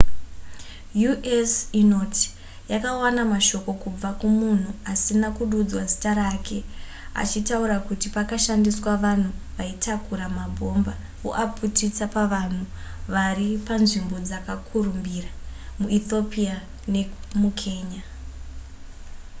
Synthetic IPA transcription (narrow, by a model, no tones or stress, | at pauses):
juʔesino̞tʰi̥ | jakawanamaʃo̞ko̞kub͡vakumun̤uasinakuɗud͡zwazi̥taɾakʰe̞ | a̰t͡ʃitauɾakutipakaʃandiswaʋan̤uʋaitʰakuɾamabʱo̞mba | o̰ʔaputit͡sapaʋan̤uʋaripanʐimbo̞d͡zakakʰurumbiramuit̪o̞pia | ne̞mukʰe̞ːɲa